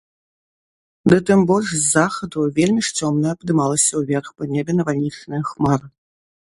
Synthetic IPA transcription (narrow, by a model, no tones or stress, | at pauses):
d̪ɨt̪ɛmboʐzaxɐd̪uvʲelʲmʲiʂt͡sʲomnəpd̪ɨmɑlˠəsʲɐuvʲerxpənʲebʲenɐvalʲnʲit͡ʂnɨxmɑr